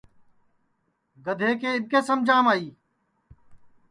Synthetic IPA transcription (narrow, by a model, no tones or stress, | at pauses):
ɡəd̪ʱeːkeːɪbkeːsəmd͡ʒʱaːmaːiː